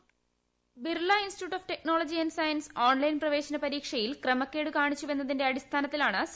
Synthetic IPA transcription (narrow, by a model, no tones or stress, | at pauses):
birlːainstituːʈːofte̞k̚noːɭɐd͡ʑiɐnɖsɐjɐnsoːnlɐjnprɐʋe̞ːɕɐnɐpɐɾiːkʂɐjilkrɐmɐkːe̞ːɽɨkaːɳit͡ɕːuʋe̞nːɐðinde̞ɐɽist̪ʰaːnɐt̪ːilaːɳɨs